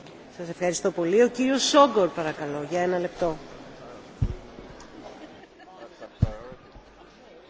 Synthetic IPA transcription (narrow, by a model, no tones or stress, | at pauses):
sɐse̞fxɐɾist̪o̞po̞lio̞ciɾio̞sːo̞ɡo̞ɾpɐɾɐkɐlo̞ʝɐe̞nɐle̞pt̪o̞